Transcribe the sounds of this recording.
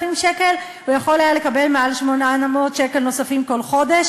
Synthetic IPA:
imʃeke̞l | ujaχo̞lajalekabe̞lmealʃmonanamot̪ʃekelno̞safimko̞lχo̞d̪e̞ʃ

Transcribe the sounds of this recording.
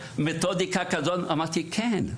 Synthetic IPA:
met̪od̪ikakɐzonɐmat̪ʰikʰen

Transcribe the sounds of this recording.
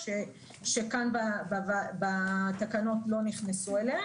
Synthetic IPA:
ʃe | ʃe̞kanbabvabatakano̞tlo̞niχnesuele

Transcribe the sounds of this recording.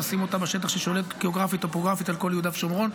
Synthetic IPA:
asimo̞t̪abaʃe̞t̪̬aχʃeʃo̞le̞t̪ɡ̥eoɡʁafit̪opoɡʁafit̪alko̞ljud̪afʃomʁo̞n

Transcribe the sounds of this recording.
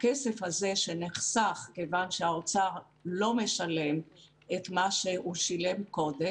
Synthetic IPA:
kesefhaze̞ʃeneχsaχkevanʃeaot͡saʁ | lo̞meʃale̞m | et̪maʃehuʃilemko̞de

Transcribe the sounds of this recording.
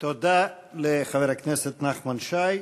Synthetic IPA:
t̪od̪a | leχaveʁakneset̪naχmanʃaj

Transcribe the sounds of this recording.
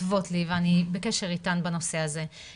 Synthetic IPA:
vo̞tliveanibekeʃe̞ʁitanbano̞seaze̞

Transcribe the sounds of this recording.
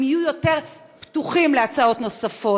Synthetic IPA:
mijujo̞te̞ʁ | ptuχimleat͡sao̞t̪no̞safo̞

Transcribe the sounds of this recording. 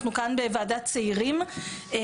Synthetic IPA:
χnukanbevaːdatt͡seiʁim

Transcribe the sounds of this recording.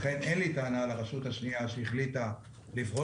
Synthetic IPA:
χe̞ne̞nlitaːnalaʁaʃut̪haʃniaʃeiχlita | livʁo

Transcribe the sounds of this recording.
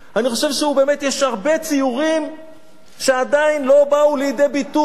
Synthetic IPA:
aniχo̞ʃevʃeube̞metjeʃhaʁbe̞t͡sijuʁim | ʃe̞adainlo̞baulejdejbitu

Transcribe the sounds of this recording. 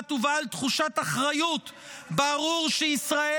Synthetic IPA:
tuvaːlt̪χuʃataχʁajut | baʁuʁʃeisʁae

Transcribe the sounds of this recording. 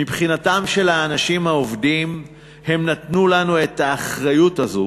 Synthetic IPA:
mipχinatamʃe̞laːnaʃimhaovdim | he̞mnatnulanue̞thaːχʁajutazo

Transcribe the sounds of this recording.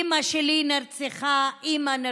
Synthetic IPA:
maʃelinaɾt͡seχaʔimana

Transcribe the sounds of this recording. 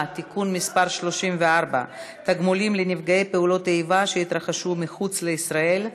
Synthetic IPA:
t̪ikunmispaɾʃlo̞ʃimveaʁba̰ | t̪aɡmolimlenifɡaejpe̞ulo̞t̪ejvaʃeit̪ɾaχaʃumiχut͡sleisʁae̞l

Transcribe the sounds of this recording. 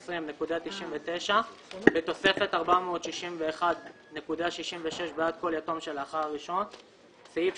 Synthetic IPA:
sʁimnekudat̪iʃimvet̪e̞ʃabet̪o̞se̞fe̞t̪aʁbamo̞ːt̪ʃiʃimve̞ːχad̪ | ne̞kudaʃiʃimveʃe̞ʃbead̪̚ko̞ljato̞mʃe̞laχaʁʁiʃo̞n | saif

